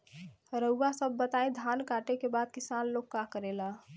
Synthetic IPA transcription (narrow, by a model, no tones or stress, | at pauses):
ɾəːasəbːət̪aed̪ʱankaʈekebaːd̪̚kɪsaːnlokːakəɾela